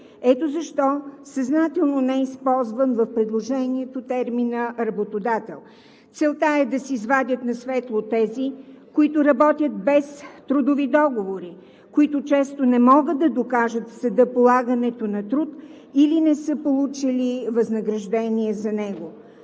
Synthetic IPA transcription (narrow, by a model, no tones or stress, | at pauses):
ɛt̪ozɐʃt̪ɔsɐznat̪ɛlˠnonɛispɔlˠzvənvəfpɾɛd̪lˠoʒɛniɛt̪ot̪ɛɾminəɾɐbot̪od̪at̪ɛ̰lˠ | t̪sɛlˠt̪aɛd̪ɐsiizvad̪ʲət̪nɐsvɛt̪lˠot̪ɛzikoit̪ʊɾɐbɔt̪ʲjət̪̚bɛst̪ɾud̪ovid̪ɔɡovoɾi | koit̪ʊt͡ʃɛst̪onɛmɔɡəd̪ːɐd̪okaʒət̪sɐd̪əpolˠaɡənɛt̪onɐt̪ɾut̪ | ilinɛsɤpolˠut͡ʃilivɐznəɡɾɐʒd̪ɛniɛzɐnɛɡo